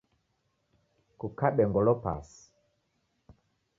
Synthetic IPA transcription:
kukaɓɛŋɡɔlɔpa̰si̥

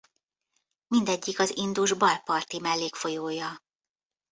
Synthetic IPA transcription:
mind̪ɛɟːikɒzind̪uʒbɒlpɒrt̪imɛlːeːkfo̞joːjɒ

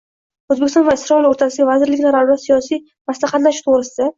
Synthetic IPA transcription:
ɵzbekʲɪsɔnvaɪsɾɒiloɾt̪ʰasɪɡʲavazɪɾlɪkʲnaɾald̪asijɒsij | maslaχɑt̪laʃt̪ʰoʁɾɪsɪd̪a

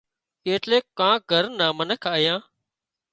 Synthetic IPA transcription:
keːʈleːkːãːɡʱəɾnãːmənəkʰaːjãː

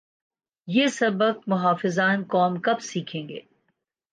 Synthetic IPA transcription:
jeːsɐbək̚mʊɦaːfɪzaːnkɔːmkɐbsiːkʰẽːŋɡḛː

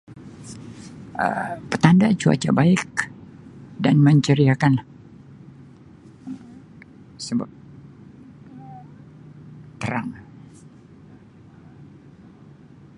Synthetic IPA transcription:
ə̰pət̪andat͡ʃua̰t͡ʃa̰baɪk̚ | danməɲt͡ʃəɾiakanla | ə | səba̰p̚ | t̪əɾaŋ

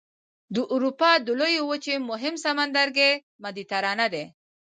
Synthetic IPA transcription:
d̪əʔuɾupɑd̪əlojowət͡ʃemʊɦɪmsamand̪aɾɡe | mad̪it̪aɾɑnad̪e

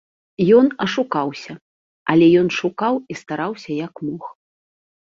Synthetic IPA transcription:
jɔnɐʂukawsʲɐ | ɐlʲɛjɔnʂukawist̪aɾawsʲɐjɐkmɔx

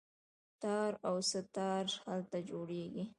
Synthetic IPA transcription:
t̪ɑɾawsət̪ɑɾhalt̪ad͡ʒoɽeɡi

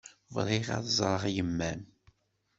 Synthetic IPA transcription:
vɾˤiʁɑ̰ðzˤɾˤəʁjəmːæn

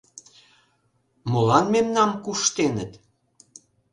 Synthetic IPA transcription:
molɑnmemnɑmkuʃt̪enət̪

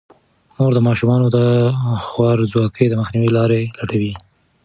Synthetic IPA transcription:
moɾd̪əmɑʃumɑnod̪əxwɑɾzwɑkəjd̪əməxniwilɑɾelaʈawi

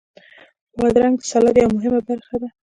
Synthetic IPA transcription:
wad̪ɾaŋɡsɑlad̪jawmʊɦɪmabaɾxad̪a

